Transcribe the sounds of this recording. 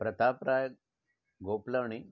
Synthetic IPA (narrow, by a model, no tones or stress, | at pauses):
pɾət̪apɾaj | ɡopləʋɳi